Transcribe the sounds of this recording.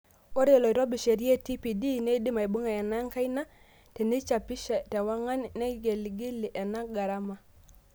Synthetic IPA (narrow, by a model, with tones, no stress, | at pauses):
o˦ɾe˨lo˨i˨ɾɔ˦bi˨ʃe˨ɾi˦ɛ˦ti˦pi˨di˦ne˦i˦di˦ma˨i˨bu˦ŋa˨ɛ˨na˦ŋka˦i˦na˦ | te˨ni˦t͡ʃa˨pi˦ʃɛ˨tɛ˨wa˦ŋa˦nnɛ˦ɡe˨li˨ɡi˦li˨ʔɛ˨na˦ɡa˨ɾa˦ma˨